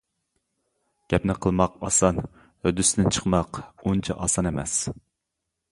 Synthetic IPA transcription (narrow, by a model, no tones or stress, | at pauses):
ɡ̥ʲɛpnɪqʰəlˠmɑqɑ̰sɑn | hød̪ysd̪ɪnt͡ʃʰə̥qmɑqunt͡ʃʰɑʔɑ̰sɑnemɛ̰s